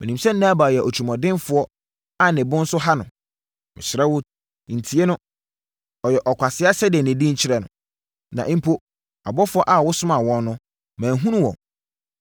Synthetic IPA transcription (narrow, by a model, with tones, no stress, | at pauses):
mɪ̃˨nĩ˨msɛ̃˦n̩˦nãː˦baː˨jɛ˨ʔo˨t͡ɕʰu˨mɔ̃˨dɪ̃˦nfʊ˨˦ɔ˦ | a˦˨nɪ̃˨bʊ̃˦n̩˦sʊ˦ɦa˦nʊ̃˨ | mɪ̰̃˨ɕɪ˨ɾɛ˦wʊ˦ | n̩˨tʰi˨˦e˦nʊ̃˦ | ɔ˨jɛ˨ʔɔ˨kʷʰa˨sɪ˦a˦sɛ˦dɛ˨nɛ̃˨dĩ˦ɲ̩˦t͡ɕʰɪ˦ɾɛ˨nʊ̰̃˨ | nã̰˨ʔm˦pʰo˦ | a̰˨bɔ˦fʊ˦ɔ˦ʔa˨wʊ˦sʊ˦mã˨wɔ̃˦nːʊ̃˦ | mæ̃ː˨ɦũ˦nũ˦wɔ̰̃˨